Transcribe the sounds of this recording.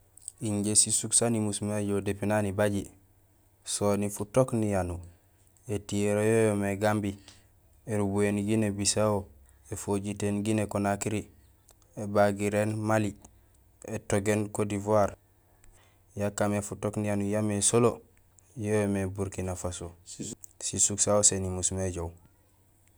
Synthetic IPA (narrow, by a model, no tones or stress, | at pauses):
iɲɟesisuksanimusmaɟodepinanibaɟi | sonifutoknijanu | etieɾojojomeɡambi | eɾubuenɡinebisawo | efoɟitenɡinekonakiɾi | ebaɡiɾeːnmali | etoɡenkodivuaɾ | jakːamefutoknijanujamesolo | jojomebuɾkinafaso | sisuksawosenimusmeɟow